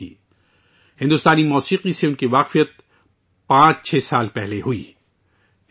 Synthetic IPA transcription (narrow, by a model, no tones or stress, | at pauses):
ḭː | hɪ̃nd̪ʊst̪aːnimɔːsiːqiseʊnkiʋaːqfijət̪̚ | pãːt͡ʃt͡ʃʰɛːsaːlpɛɦleɦʊḭː